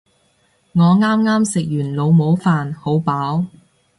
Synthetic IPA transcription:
ŋɔː˨˧ŋaː˥mŋaː˥msɪ˨k̚jyː˨˩nlo˨˧wmo˨˧˥wfaː˨nho˨˥wpaː˨˥w

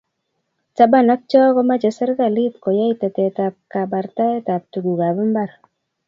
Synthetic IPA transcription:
t͡ʃa˦ba˦˨na˦k̚t͡ʃɔ˦ɡɔ˦ma˦d͡ʒɛ˨sɛ˦ɾɡa˨li˦t̪kɔ˨ja˦i˦t̪ɛ˨tɛ˨t̪a˨p̚ka˨ba˨ɾt̪a˦ɛ˦t̪a˨p̚t̪u˨ɡu˨ɡa˨bɛ˦mba˦˨ɾ

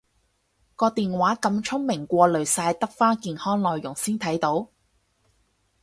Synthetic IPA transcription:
kɔː˧t̪iː˨nwaː˨˥kɐ˧mt͡ʃʰʊ˥ŋmɪ˨˩ŋkʷɔː˧lɵ˨ɥsaː˧jt̪ɐ˥k̚faː˥kiː˨˧nhɔː˥ŋlɔː˨jːʊ˨˩ŋsiː˥nt̪ʰɐ˨˥jt̪o˨˥w

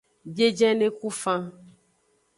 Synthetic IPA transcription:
be˦d͡ʒɛ̃˦nẽ˦ku˦fã˦

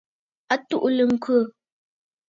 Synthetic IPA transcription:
a˦tu˦ʔlə˨ŋ̩˦kwə˦˨

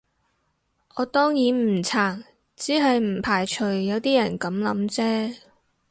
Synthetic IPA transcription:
ʔɔː˨˧t̪ɔː˥ŋjiː˨˥nm̩˨˩t͡sʰaː˨˩ŋ | t͡siː˨˥ɦɐ˨jm̩˨˩pʰaː˨˩jt͡ʃʰɵ˨˩ɥːɐ˨˧wt̪iː˥jɐ˨˩nkɐ˨˥mlɐ̰˨˧˥mt͡sɛː˥

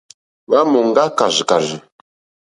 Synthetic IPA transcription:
βa˦mɔ˨ŋ˦ɡa˦ka˨zi˨ka˨zi˨

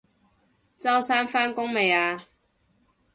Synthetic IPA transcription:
t͡sɐ˥wsaː˥nfaː˥nkʊ˥ŋme˨jaː˧

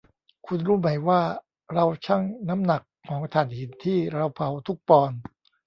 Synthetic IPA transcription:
kʰu˧nɾuː˦˥˩ma˩˦jwaː˥˩ | ɾa˧wt͡ɕʰa˥˩ŋna˦˥mna˨˩kʰːɔː˩˦ŋt̪ʰaː˨˩˦nhi˨˩˦nt̪ʰiː˥˩ɾa˧wpʰa˨˩˦wt̪ʰu˦˥˩k̚pɔː˧n

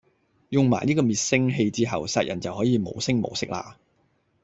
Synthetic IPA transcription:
jʊ˨˩ŋma̰ː˨˩jniː˥kɔː˧miː˨t̚sɪ˥ŋɦe˧jt͡siː˥ɦɐ˨wsaː˧t̚jʔɐ˨˩nt͡sɐ˨whɔː˨˥jiː˨˧mo̰˨˧wsɪ˥ŋmo̰˨˧wsɪ˥k̚la̰ː˧

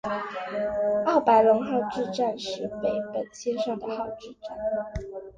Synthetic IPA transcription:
ɑ˥˩ʊpa˧˥ɪlʊ˧˥ŋxɑ˥˧ʊʈ͡ʂɻ̩˥˧ʈ͡ʂa˥˧nʂɻ̩˥˩pe˨˩ɪpə˨˩nɕʰjɛ˥nʂɑ˥˩ŋd̪ə˩xɑ˥˧ʊʈ͡ʂɻ̩˥˧ʈ͡ʂa˥˩n

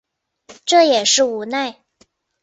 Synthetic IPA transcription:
ʈ͡ʂɤ˥˩jɛ˨˩ʂɻ̩˥˩u˧˥na˥˩ɪ

